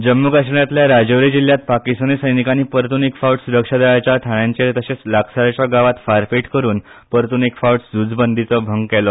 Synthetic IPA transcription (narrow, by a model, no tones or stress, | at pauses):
d͡ʑəmːukaʂəɳjat̪ljaɾad͡ʑoʋɾid͡ʑilːjat̪̚pakist̪anesəjnikaniːpəɾt̪unikfauʈsuɾəkʂad̪aɭat͡ɕjat̪ʰaɳjãɲt͡ɕet̪əɕet͡slaksaɾat͡ɕjaɡaʋat̪faɾpeʈkəɾuːn | pəɾt̪unikfawʈsd͡zud͡zbənd̪ʱit͡səbʱəŋɡkɛlɔ